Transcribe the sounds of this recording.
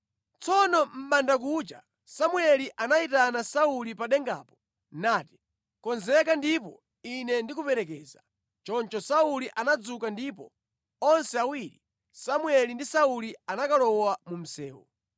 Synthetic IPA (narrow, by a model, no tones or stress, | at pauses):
t͡sʰɔnɔm̩ɓandak̬ut͡ʃa̰ | samuɛliʔanaitanasaulipaɗɛŋɡa̰ːpɔ̥ | naːti̥ | kɔnzɛkandipɔ | inɛndikupɛɾɛk̬ɛːza | t͡ʃɔnt͡ʃɔsauliʔanad͡zukandiːpɔ | ɔnsɛawiɾi | samuɛlindisaulianakalɔwamum̩sɛ̰ːwɔ̰